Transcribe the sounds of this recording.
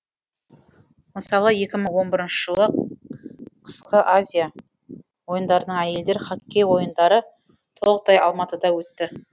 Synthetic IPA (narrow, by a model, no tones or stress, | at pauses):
məsɑlˠəje̞kʲɪməɴwo̞nbɪɾənʃə̥ʒ̥əlˠə | qʰə̥sqəʔazʲija | wo̞jənd̪ɑɾənəɴæje̞ld̪e̞ɾχɑkʲːe̞wo̞jənd̪ɑɾə | t̪ʰolˠəq̚t̪ʰɑjɑ̰lˠmɑt̪əd̪ɑwɵt̪ːɪ